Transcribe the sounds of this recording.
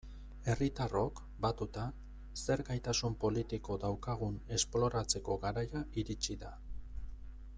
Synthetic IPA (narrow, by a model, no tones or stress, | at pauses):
e̞rit̪aro̞k | bat̪ut̪a | se̞ɾɡajt̪asumpo̞lit̪iko̞d̪awkaɣ̞une̞splo̞ɾat͡se̞ko̞ɣaɾajaʔiɾit͡ʃiða